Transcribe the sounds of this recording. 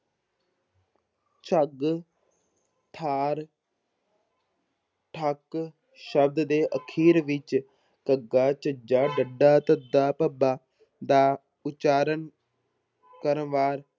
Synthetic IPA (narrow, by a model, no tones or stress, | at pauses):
t͡ʃəɡ | t̪ʰaːɾ | ʈʰək | ʃəb̚d̪d̪eːʔəkʰiːɾʋɪt͡ʃ | kəɡːaːt͡ʃəd͡ʒaːɖəɖːaːt̪əd̪ːaːpəbaː | d̪aː | ʊt͡ʃaːɾən | kəɾənʋaːɾ